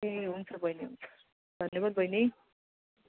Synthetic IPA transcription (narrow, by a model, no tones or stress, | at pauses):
eɦunt͡sʰʌbʱʌjneɦunt͡sʰʌ̥ | d̪ʱʌnjebad̪̚bʱʌjne